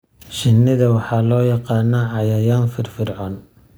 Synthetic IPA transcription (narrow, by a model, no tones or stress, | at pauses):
ʃɪnːɪðɐwɑħɑːlɔːjɑqɑːnːɐʕɑjɐjaːnfɪrfɪrʕɔːn